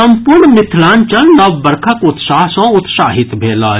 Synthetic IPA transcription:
ɐ̃mpʊɾɳmɪt̪ʰlaːnt͡ʃɐlnɐʋbəɾkʰəkʊt̪saːɦsɔ̃ʊt̪saːɦɪt̪bʱeːlaː

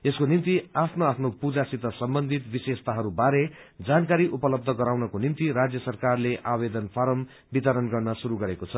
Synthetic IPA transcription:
eskonimt̪iapʰnoapʰnopud͡zasit̪ʌsʌmbʌnd̪ʱit̪bisest̪aɦʌɾubaɾe | d͡zankaɾiʔupʌlʌb̚d̪ʱʌɡʌɾawnʌkonimt̪iɾad͡zjʌsʌrkarleʔabed̪ʌnpʰaɾʌm | bit̪ʌɾʌnɡʌrnʌsuɾuɡʌɾekot͡sʰʌ

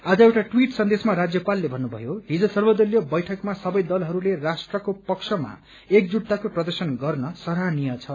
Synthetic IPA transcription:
ad͡zʌewʈaʈwiʈsʌnd̪esmaɾad͡zjʌpalːebʱʌnːubʱʌ̰joɦid͡zʌsʌrbʌd̪ʌljʌbʌjʈʰʌkmasʌbʌjd̪ʌlɦʌɾulerasʈrʌkopʌksʰʌma̰ | ekd͡zuʈt̪ːakoprʌd̪ʌrsʌnɡʌrnʌsʌɾanijʌt͡sʰʌ

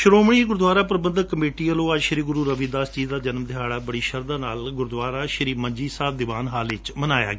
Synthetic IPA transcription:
ʃʊɾoːmɳ̃iːɡʊɾd̪ʋaːɾaːpɾəbənd̪əkːəmeːʈiːəloːəd͡ʒʃəɾiːɡʊɾuːɾəʋiːd̪aːst͡ʃiːd̪aːd͡ʒənmd̪ʱɪjaːɽaːbəɽiːʃəɾd̪aːnaːlɡʊɾd̪ʋaːɾaːʃəɾiːməɲd͡ʒiːsaːb̚d̪ɪʋaːnɦaːlɪt͡ʃmənaːja̰ːɡe

